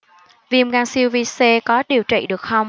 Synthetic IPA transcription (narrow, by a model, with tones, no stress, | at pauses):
vi˧˩əmɣaː˧nsi˧wvi˧se˧kɔ˨˦ɗi˨˩əwt͡ɕḭ˧˨ɗɨ˨˩ək̚xə˧wŋ͡m